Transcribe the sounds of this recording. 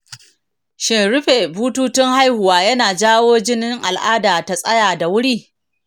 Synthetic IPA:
ʃɪ˨nɾʊ˦ɸe˨buː˦tuː˦tɪ˦ŋɦa˦jhʊ˨waː˨jɐ˦naː˨d͡ʒaː˦woː˦d͡ʒɪ˦nɪ˦ŋʔa̰˨lʔa̰ː˦daː˨ta˦sʼɐ̰˦jaː˨da˨wʊ˦ɽiː˦

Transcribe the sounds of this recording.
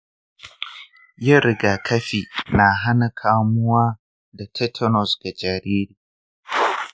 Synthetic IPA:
ja˦ɾɪ˦ɡaː˨kʰɐ˦ɸiː˨na˨ɦa˦na˨kʰaː˨mʊ˦waː˦ | da˨tʰɛ˦tʰɔ˦nɔ˨sɡ̥a˨d͡ʒa˨ɾiː˦ɾiː˨

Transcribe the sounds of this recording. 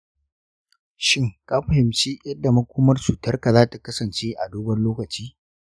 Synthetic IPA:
ʃɪ˦ŋkʼaː˦ɸɐ˨hɪ˨mt͡ʃiː˦jɐ˦dːa˨mɐ˦kʷoː˦mɐ˦rsu˨tɐ˦rka˨zaː˦ta˨kɐ˦sɐ˨nt͡ʃeː˦ʔa˨duː˦bɐ˦nloː˦kɐ˨t͡ʃiː˦

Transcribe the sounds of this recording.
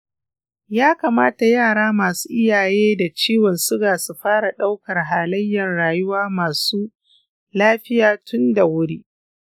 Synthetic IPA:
jaː˦kaː˨maː˦ta˨jaː˦˨ɽaː˦maː˨su̥ː˦ʔɪ˦jaː˨jeː˦da˨t͡ʃiː˦wɔ˨nsʊ˦ɡaː˨su˨ɸaː˦ɽa˨ɗa˦wkɐ˨rɦaː˨lɐ˦jːɐ˨nɽaː˨jʊ˦waː˦maː˨suː˦ | laː˦ɸɪ˦jaː˨tʰʊ˦nda˨wʊ˦ɽiː˦ʔ

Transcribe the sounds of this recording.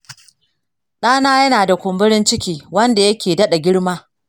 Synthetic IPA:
ɗaː˦naː˦jɐ˦naː˨da˨kʷʊ˨mbɪ˦ɽɪ˦nt͡ʃɪ˦kʲiː˦wɐ˦nda˨jɐ˦kʲeː˨dɐ˦ɗa˨ɡʲɪ˦ɽmaː˦

